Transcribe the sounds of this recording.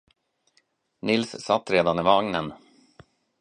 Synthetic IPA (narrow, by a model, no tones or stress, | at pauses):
nɪlssat̪ːɾeːd̪anɪvaŋnən